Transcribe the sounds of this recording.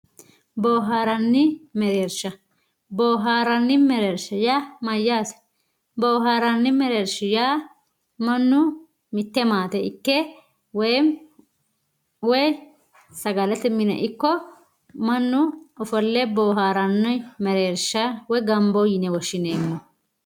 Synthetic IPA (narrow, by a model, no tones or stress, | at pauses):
boːɦaːɾɐnːɪmɛɾeːɾʃɐ | boːɦaːɾɐnːɪmɛɾeːɾʃɐjaːmɐjːaːsɛ̥ | boːɦaːɾɐnːɪmɛɾeːɾʃɪjaː | mɐnːʊ | mɪt̪ːɛmaːt̪ɛɪkːɛ | wɛjm | wɔj | sɐɡɐlɛt̪ɛmɪnɛ̰ʔɪkːɔ | mɐnːʊɔfɔlːɛboːɦaːɾɐnːɔmɛɾeːɾʃɐwɔjɡɐmbɔjɪnɛwɔʃːɪneːmːɔ